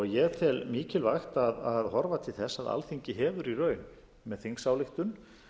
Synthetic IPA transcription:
ɔɣjɛt̪ʰɛlmiːcɪlvajxt̪aðaðhɔɾvat̪ʰɪlθɛsːaða̰lθiɲcɪɦɛːvʏɾirœːɥn | mɛðθiŋksawlɪxt̪ʏn

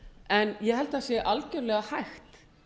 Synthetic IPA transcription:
ɛnjɛɦɛlt̪aðsjɛʔalcœɾlɛɣahajxt̪

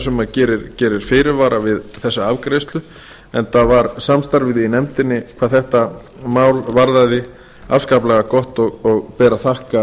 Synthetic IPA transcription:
sɛmacɛːɾɪɾcɛːɾɪɾ̥fɪːɾɪɾvaːɾavɪðθɛsːaavkɾɛst̪lʏ | ɛnθavaɾsamst̪aɾvɪðinɛmt̪ɪnːɪkʰvaːðθɛht̪a | maːwlvaɾðaðɪ | a̰vskaplɛɣakɔht̪ɔɣɔɣpɛːɾaθahka

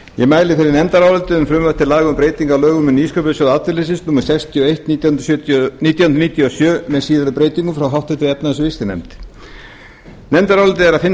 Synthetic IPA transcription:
jɛmaːjlɪfɪɾɪɾnɛmt̪aɾawɛlt̪ɪʏmfɾʏmvœht̪ɪlaːɣʏmpɾeːjt̪iŋkalœːɣʏmʏniːskœpʏɪsɔðaːt̪ɪɾlesɪnsnuːmaɾ̥sɛkst̪ʰjiɔejht̪niːt̪jawhʏnɾ̥sjœniːt̪jawhʏnɾniːt̪jɔsjœːmɛðsiːðaɾʏpɾeːjt̪iŋkʏmfɾawɦawht̪ɪt̪ɾɪɛp̚naðsvɪst̪ɪnɛ̰mt̪ | nɛmt̪aɾawlʏlt̪̬ɪɛɾaðfɪn

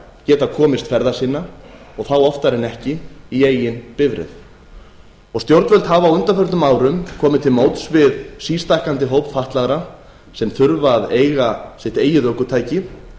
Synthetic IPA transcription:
cɛːt̪akʰɔːmɪst̪fɛɾðasinːa | ɔɣθawɔft̪aɾɪnɛhcɪieːjɪnpɪvɾɪ̰ð | ɔɣst̪jowɾt̪vœlt̪havawʏnt̪afœɾt̪ʏmaːwɾʏmkʰɔːmɪt̪ʰɪlmoːwt̪svɪðsiːst̪ajhkant̪ɪɦoːwpfaht̪laɣɾa | sɛmθʏɾvaːðeːjɣasɛht̪eːjɪðœːkʏt̪ʰaːjcɪ

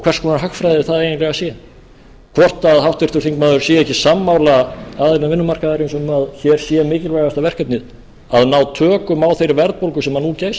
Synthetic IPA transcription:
kʰvɛr̥skɔnaɦaxfɾajðɪvɪθaðejnɪntlɛɣasjɛ | kʰvɔr̥t̪aðhawht̪vɪɾ̥t̪ʏɾ̥θiŋkmaːðʏɾ̥sjɛɛhcɪsamːawlaaðelnavɪnːʏmar̥kaðaɾjɪnsʏmaðçɛɾ̥sjɛmɪːcɪlvaɣast̪avɛr̥kɛp̚nɪð | aðnaːwt̪ʰœːkʏmawθejɾvɛɾtpowlkʏsɛmhanːucejs

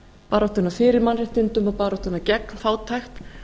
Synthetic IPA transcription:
paːɾɔht̪ʏnːafɪːɾɪɾmanrɪht̪ɪnt̪ʏmapaːɾɔht̪ʏnːacɛknfaːwt̪ʰajxt̪

